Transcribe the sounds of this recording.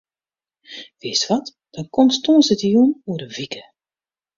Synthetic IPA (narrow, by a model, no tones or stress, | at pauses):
ʋɪəstʋɔt | d̥ɔnkɔmtstoːnsətəjunuədəvikə